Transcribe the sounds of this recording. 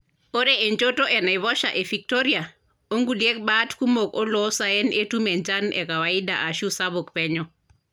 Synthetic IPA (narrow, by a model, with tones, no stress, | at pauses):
o˦ɾe˦e˨ɲt͡ʃo˦to˦ʔɛ˨na˨iβɔ˦ʃa˨ʔe˨fi˨k̚toɾia˨ | o˦ŋɡu˨lje˦k̚baː˦tku˦mo˨ko˦lɔ˦sa˨ɛ˦nʔe˦tu˦mɛ˨ɲt͡ʃa˦nɛ̰˨ka˨wa˨i˦da˨ʔa˨ʃu˦sa˦βo˨kpɛ˦ɲɔ˦